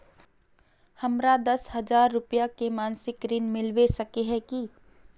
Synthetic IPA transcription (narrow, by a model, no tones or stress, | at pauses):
hɐmɾad̪ɐsɦɐd͡ʒaːɾːʊpjakemaːnsɪkɾɪnmɪlwesɐkeɦɛki